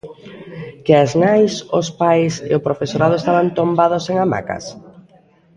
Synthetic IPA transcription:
keaznajsospajsḛopɾofesoɾað̞ʊest̪aβant̪ombaðoseŋama̰ka̰s

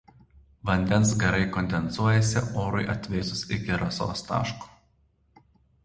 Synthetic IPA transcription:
ʋɐnʲd̪ʲɛnˑsɡʲɐɾɐɪkɔnʲd̪ʲɛnsuɔjɛsʲɪoːɾʊɪʔɐt̪ʲʋʲɛɪsʊsɪkʲɪɾɐso̰ːst̪ɑ̰ːʃku̥ː

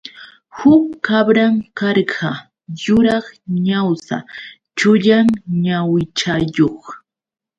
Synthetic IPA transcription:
hʊkːabɾaŋkɑɾɢɑ | jʊɾɑχɲawsa̰ | t͡ʃʊʎaŋɲawɪt͡ʃajoχ

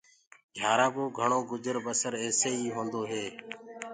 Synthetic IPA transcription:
ɡʱjaːɾãːboːɡʱəɳoːɡʊd͡ʒəɾbəsəɾeːseːiːɦõːnd̪oːɦeː

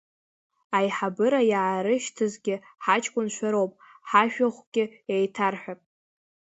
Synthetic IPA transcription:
ajħabɨɾajaːɾɨʃtʰɨzɡʲɪ | ħat͡ʃʼkʷʼʊnʃʷᶣaɾowpʼ | ħaʃᶣaχʷɡʲɪejtʰarħʷᶣapʼ

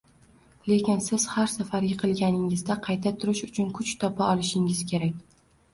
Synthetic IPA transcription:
le̞kʲɪnsɪz̥haɾsafaɾjɨqʰɨlˠɡʲanɪŋɪzd̪aqʰɑjt̪ʰat̪ʰʊɾɪʃʊt͡ʃʰʊnkʰʊt͡ʃt̪ʰɒpʰaɒlˠɪʃɪŋɪz̥kʲʰe̞ɾakʲ

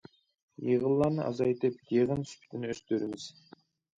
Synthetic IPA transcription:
jəʁəlˠːɑnəʔɑ̰zɑjt̪əpkeʁənsʏ̥pt̪ɪnɪʏst̪øɾɪmɪz̥

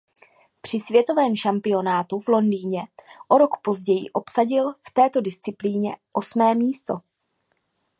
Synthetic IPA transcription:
pr̝̥ɪsvjɛt̪o̞vɛːmʃampɪo̞naːt̪uvlo̞ndiːɲɛʔo̞ɾo̞kpo̞zɟɛjɪ̰ʔo̞psaɟɪlft̪ɛːt̪o̞dɪst͡sɪpliːɲɛʔo̞smɛːmiːst̪o̞

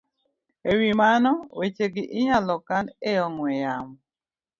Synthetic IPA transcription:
ewimanɔwet͡ʃeɡɪʔɪɲalɔkaneɔŋwɛjamɔ

